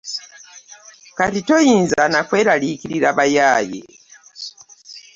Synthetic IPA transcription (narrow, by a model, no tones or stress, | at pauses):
katitojiːnzanakweːɾalikiɾiɾaβajaːjḛ